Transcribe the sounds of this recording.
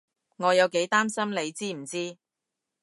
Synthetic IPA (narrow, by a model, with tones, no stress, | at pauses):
ŋɔː˨˧jɐ˨˧wke˨˥jt̪aː˥msɐ˥mle˨˧jt͡siː˥m̩˨˩t͡siː˥